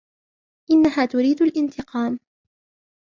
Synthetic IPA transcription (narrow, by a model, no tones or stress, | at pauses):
ʔɪnːaɦaːt̪ʊɾiːd̪alʔɪnt̪ɪqɑːm